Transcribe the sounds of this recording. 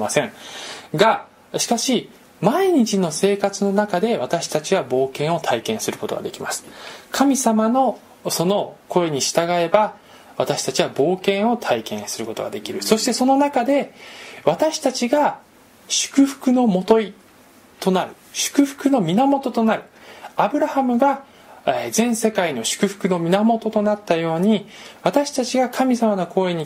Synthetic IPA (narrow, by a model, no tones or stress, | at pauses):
asẽ̞ɡa | ɕi̥kaɕi | maiɲ̟it͡ɕino̞se̞ːkat͡sɨno̞nakad̪e̞β̞at̪aɕi̥t̪at͡ɕiɡabo̞ːkẽ̞ɰ̃o̞t̪ʰaikẽɰ̃sɨɾɯ̟ko̞t̪o̞ɡa̰d̪e̞kʲimasɨ̥kʰamʲisamano̞ | so̞no̞ko̞e̞ɲ̟iɕi̥t̪aɡae̞ba | βat̪aɕi̥t̪at͡ɕiβabo̞ːkẽ̞ɰ̃o̞t̪ʰaikẽ̞ɰ̃sɨɾɯ̟ko̞t̪o̞ɡa̰d̪e̞kʲiɾɯ̟so̞ɕi̥t̪e̞so̞no̞nakad̪e̞βat̪aɕi̥t̪at͡ɕiɡa | ɕɨ̥kɯ̟ɸɯ̟̥kɯ̟no̞mo̞t̪o̞i | t̪o̞naɾɯ̟ɕɨ̥kɯ̟ɸɯ̟̥kɯ̟no̞mʲinamo̞t̪o̞t̪o̞naɾɯ̟abɯ̟ɾahamɯ̟ɡa | zẽ̞ɰ̃se̞kaino̞ɕɨ̥kɯ̟ɸɯ̥kɯ̟no̞mʲinamo̞t̪o̞t̪o̞nat̪ːajo̞ːɲ̟iβat̪aɕi̥t̪at͡ɕiɡakʰamʲisamano̞ko̞e̞ɲ̟i